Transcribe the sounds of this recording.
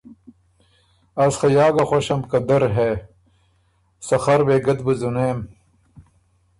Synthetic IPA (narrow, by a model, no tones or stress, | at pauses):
ɐsxɐjaːɡɐxoɕɐmkɐd̪ɐɾɦe | sɐxɐɾweːɡɐd̪buzuneːm